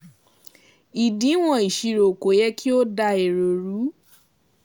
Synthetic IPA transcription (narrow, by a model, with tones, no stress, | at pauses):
i˨dĩ˨˦w̃ɔ̃˦˧˨i˨ʃi˧ɾo˨ko˨˦jɛ˦kʰi˦o˦da˧e˨ɾo˨ɾu˨˦